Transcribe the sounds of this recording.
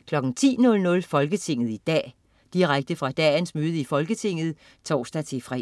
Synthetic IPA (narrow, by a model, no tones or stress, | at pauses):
kʰlɒ̽ɡ̥n̩t͡sʰḭːnɔ̽lnɔ̽lfɒ̽lɡ̥ət͡sʰe̝ŋ̰ð̞̩ˠid̥ɛ̰ː | d̥iʁaɡ̥̚d̥əfʁɑ̈d̥ɛːnsmøːð̞ˠəifɒ̽lɡ̥ət͡sʰe̝ŋ̰ð̩ˠ | t͡sʰɒ̰ːsd̥æt͡sʰe̝fʁɛ̰